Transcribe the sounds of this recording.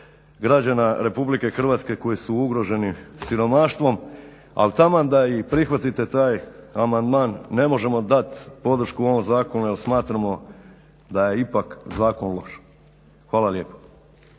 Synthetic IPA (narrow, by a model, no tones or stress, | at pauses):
ɡɾad͡ʑanaɾe̞publike̞xr̩ʋat̪ske̞ko̞jisuuɡɾo̞ʒe̞nisiɾo̞maʃt̪ʋo̞m | a̰lt̪amad̪aipɾixʋat̪it̪e̞t̪aːjamand̪maːnːe̞mo̞ʒe̞mo̞d̪at̪po̞d̪r̩ʃkuo̞ʋomzaːko̞nujelˠsmaːt̪ɾamo̞ | d̪aje̞ipakzaːko̞nlˠo̞ʃ | xʋaːlˠalje̞ːpo̥